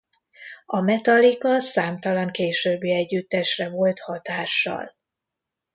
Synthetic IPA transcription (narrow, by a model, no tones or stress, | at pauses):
ɒmɛt̪ɒlikɒsaːmt̪ɒlɒŋkeːʃøːbːiɛɟːyt̪ːɛʃrɛvo̞lt̪hɒt̪aːʃːɒ̰l